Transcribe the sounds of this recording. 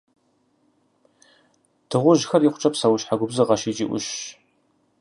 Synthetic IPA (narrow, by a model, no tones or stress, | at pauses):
tʰɨʁʷʊʒxɐriχʷʊ̥t͡ʃʼɐpsɐwʊɕħaɡʷʊbzɨʁɐʃɪt͡ʃʼḭːʔʷʊ̰ʃ